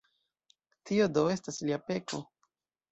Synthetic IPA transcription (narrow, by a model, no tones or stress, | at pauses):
tiodo̞e̞stasliape̞ko